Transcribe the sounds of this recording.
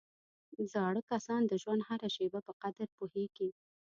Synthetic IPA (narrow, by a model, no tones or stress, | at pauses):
zɑɽəkasɑnd̪əʒwand̪haɾaʃebapəqad̪əɾpoheɡ̥i